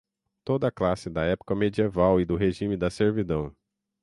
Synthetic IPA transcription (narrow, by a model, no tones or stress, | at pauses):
t̪od̪ɐklasɪd̪ɐɛpʊ̥kɐmed͡ʒievawɪd̪ʊɦeʒĩmɪd̪ɐseɾvid̪ɐ̃w̃